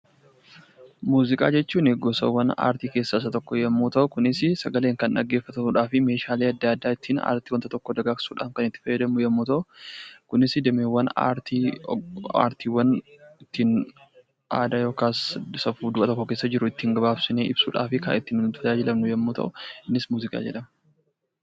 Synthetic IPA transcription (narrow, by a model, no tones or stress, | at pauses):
muːzɪkʼa̰ːd͡ʒɛt͡ʃːuːnɪɡɔsɐ̰wːɐna̰ːɾt̪iːke̞ːsːas̬ɐt̪ɔkːɔjɛmːuːt̪ɐʔʊkʊnɪsɪsɐɡɐleːŋkɐnᶑɐɡːeːfːɐt̪ɐmuːᶑaːfɪme̞ːʃaːleːɐd̪ːaɐd̪ːaːɪt̪ːiːna̰ːɾt̪iːwɐnt̪ɐt̪ɔkːɔd̪ɐɡaːksuːᶑa̰ːfkɐnɪt̪ːɪ̥fɐjːɐd̪ɐmnʊjɛmːuːt̪ɐʔʊkʊnɪsd̪ɛmeːwːɐna̰ːɾt̪i | a̰ːɾt̪iːwɐnɪt̪ːiːn | ʔa̰ːd̪aːjo̞ːkaːssɐfuːd̪ʊʔɐt̪ɔkːɔkeːsːɐd͡ʒɪɾʊɪt̪ːɪŋɡɐbaːbsɪneːɪbsṵːᶑa̰ːfɪkɐ̰ɪt̪ːɪnnt̪ɐd͡ʒaːd͡ʒɪlɐmnʊjɛmːuːt̪ʰɐ̰ʔʊɪnːɪsmuːzɪkʼa̰ːd͡ʒɛᶑɐmɐ